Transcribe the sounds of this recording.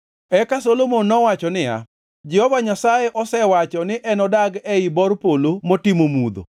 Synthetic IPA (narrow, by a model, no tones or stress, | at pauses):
ɛkasolomonːɔwat͡ʃɔnɪja̰ | d͡ʒɛhɔvaɲasajeʔɔsɛwat͡ʃɔnɪʔɛnɔdaɡɛibɔrpolomotɪmomud̪o̰